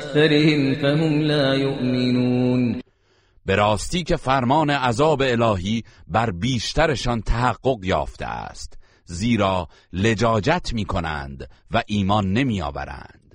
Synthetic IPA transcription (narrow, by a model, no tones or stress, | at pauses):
θaɾɪhɪmfæhʊmlaːjoʔmɪnuːn | be̞ɾɒːst̪iːkʰe̞fæɾmɒːne̞ʔæzɒːbe̞ːlɒːɦiːbæɾbiːʃt̪æɾe̞ʃɒnt̪ʰæɦæɡːo̞ɣjɒ̰ːft̪ʰḛæ̰st̪ | ziːɾɒː | le̞d͡ʒɒːd͡ʒæt̪ʰmiːkʰo̞næ̰nd̪væʔiːmɒːnːe̞miːɒ̰ːvæ̰ɾæ̰nd̪̥